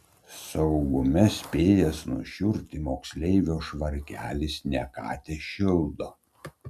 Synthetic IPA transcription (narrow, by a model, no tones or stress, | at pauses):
sɐʊɡʊmʲɛsʲpʲeːjɛsnʊ̰ʃʲʊɾʲt̪ʲɪmoːksʲlʲɛɪʋʲoːʃʋɐɾʲkʲæːlʲɪsnʲɛkɑ̰ːt̪ʲeʃʲɪlˠd̪oː